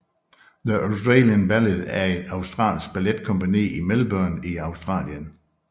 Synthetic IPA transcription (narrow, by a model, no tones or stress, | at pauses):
ðəʔoʊsd̥ʁɑ̰ːljənb̥æledæɐe̝d̥ɑ̈ʊsd̥ʁɑ̰̈ːlsɡ̥̚b̥æled̥kʰɔ̽mpʰænḭːimelb̥œɐniɑ̈ʊsd̥ʁɑ̰̈ːljən